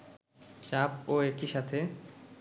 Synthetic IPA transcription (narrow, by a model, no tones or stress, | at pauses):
t͡ɕapoekiʃat̪ʰe